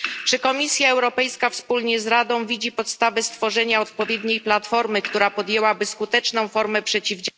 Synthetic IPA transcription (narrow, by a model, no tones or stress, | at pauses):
t͡ʂɘkɔmʲisʲjaɛwɾɔpɛjskafspulɲɛzɾad̪ɔ̃w̃vʲid͡ʑipɔt̪st̪avɛst̪fɔʐɛɲaɔt̪̚pɔvʲjɛd̪ɲejplat̪fɔɾmɘkt̪uɾapɔd̪jɛwabɘskut̪ɛt͡ʂnɔ̃w̃fɔɾmɛpʂɛt͡ɕivd͡ʑ